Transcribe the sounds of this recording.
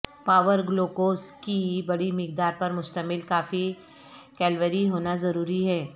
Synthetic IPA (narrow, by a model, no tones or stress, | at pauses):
paːʋəɾɡloːkoːskibɐɽimɪk̚d̪aːɾpɐɾmʊst̪əmɪlkaːfi | kɛːlʋəɾiɦoːnazɐɾuːɾiɦɛː